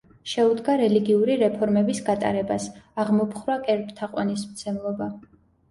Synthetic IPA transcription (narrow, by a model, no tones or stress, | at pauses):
ʃɛud̪ɡaɾɛliɡiuɾiɾɛpʰɔɾmɛbisɡat̪ʼa̰ɾɛbasaʁmɔpʰχɾwakʼɛɾpʼt̪ʰaqʼwa̰nismt̪sʰɛmlˠɔba